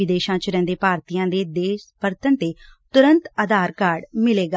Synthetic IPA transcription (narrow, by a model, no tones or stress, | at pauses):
ɪd̪eːʃãːt͡ʃɾɛ̃ːnd̪eːpaːɾt̪ijãːd̪eːd̪eːʃpəɾt̪ənt̪eːt̪ʊɾənt̪əd̪aːɾkaːɾɖmɪleːɡaː